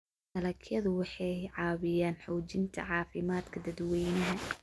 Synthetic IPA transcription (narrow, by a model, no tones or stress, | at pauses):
sɐlɐkʰjɐðʊwɑħɑjʕɑːβɪjaːnħɔːt͡ʃɪnt̪ʰɐ̰ʕɑːfɪmaːd̪kʰɐd̪ɐd̪wɛjnɐɦɐ